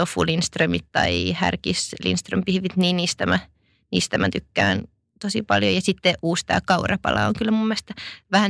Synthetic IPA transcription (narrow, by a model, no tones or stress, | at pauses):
ofṵlinst̪rømit̪t̪ɑihæ̰rkislḭnst̪rømpihʋit̪niːnniːst̪æmæ | niːst̪æmæt̪ykːæ̰ːn | t̪osipɑljojɑsit̪ːeʔʔuːst̪æ̰ːkɑurɑpɑ̰lɑ̰oŋkylːæmumːest̪ɑʋæhæ